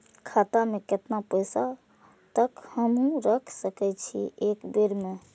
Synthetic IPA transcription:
kʰat̪ameket̪napəjsa | t̪əkhəmɦũɾəkʰsəkɛt͡ʃʰḭekbeɾme

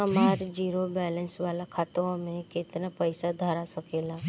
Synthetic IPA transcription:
əmaɾd͡ʒiɾobɛlənsʋalakʰat̪oomẽket̪napəjsad̪ʱaɾasəkela

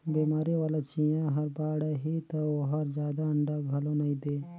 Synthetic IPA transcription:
biːmaːɾiʋaːlat͡ʃĩːjãɦɐɾbaːɽeɦit̪ɐoɦɐɾd͡ʒjaːd̪aɐɳɖaɡʱɐlõnɐɦĩd̪eː

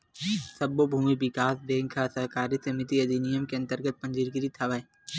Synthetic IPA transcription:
sɐbːobʱuːmibɪkaːsbẽːŋkʰasɐɦkaːɾisɐmɪt̪iɐd̪inijəmkeɐ̃nt̪əɾɡət̪̚pɐ̃ɲd͡ʒiɾɡɪɾit̪ʰɐʋəe

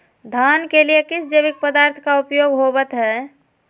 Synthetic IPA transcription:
d̪ʱankelijekisd͡ʒeβik̚pəd̪aɾt̪ʰkaupjoɡɦobət̪ɦɛ

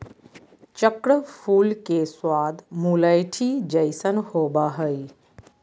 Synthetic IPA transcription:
t͡ʃəkɽəpʰuːlkeswaːd̪muləjʈʰid͡ʒəjsənhoːbaɦəi

